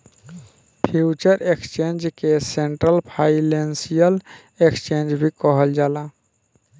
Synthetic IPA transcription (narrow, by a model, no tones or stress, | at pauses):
pʰjut͡ʃəɾekst͡ʃẽnd͡ʒkeseɳʈɾəlpʰailensijəl | ekst͡ʃend͡ʒbʱikɔɦəld͡ʒala